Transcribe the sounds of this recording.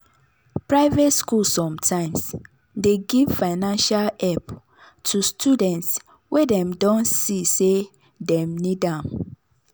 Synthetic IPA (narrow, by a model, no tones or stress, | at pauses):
pɹaɪvetskulsɔ̃mtʰãɪ̃ms | deɡivfaɪnãnʃalɛp | tʰustʰudɛ̃nts | wedɛ̃mdɔ̃nsise | dɛ̃mnidãm